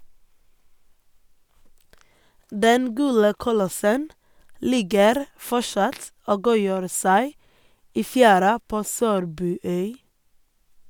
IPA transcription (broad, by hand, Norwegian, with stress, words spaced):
ˈdɛn ˈɡʉːɽə kʊˈlɔsən ˈlɪɡəɾ ˈfɔʃɑt ˈoː ˈɡuːjøːɾ ˈsæɪ ˈiː ˈfjæːɾɑ ˈpoː ˈsøːɾbʉːˌœʏ